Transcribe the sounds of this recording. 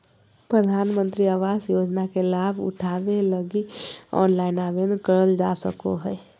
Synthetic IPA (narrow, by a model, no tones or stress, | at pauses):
pɾəd̪ʱaːnmə̃nt̪ɾiaʋaːzjoːd͡ʒnakelaːbʱʊ̰ʈʰaːʋeləɡiɔ̰ːnlaːɪnaːbend̪kəɾəld͡ʒasə̰ko̰ɦɛː